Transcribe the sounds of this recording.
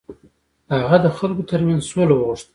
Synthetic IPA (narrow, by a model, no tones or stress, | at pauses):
haɣad̪əxalkot̪əɾmanzsolowəɣʊʂt̪ə